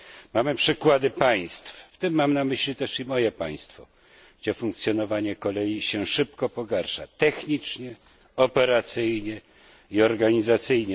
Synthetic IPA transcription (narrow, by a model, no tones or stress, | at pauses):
mamɘpʂɘkwad̪ɘpaj̃st̪fft̪ɘmːamnamɘɕlʲit̪ɛʂimɔjɛpa̰j̃st̪fɔ | ɡ̥d͡ʑɛfuŋk̚t̪sʲjɔnɔvaɲɛkɔlɛjiɕɛʂɘpkɔpɔɡaɾʂa̰t̪ɛxɲit͡ʂɲɛ | ɔpɛɾat̪sɘjɲɛ | iɔɾɡaɲizat̪sɘjɲɛ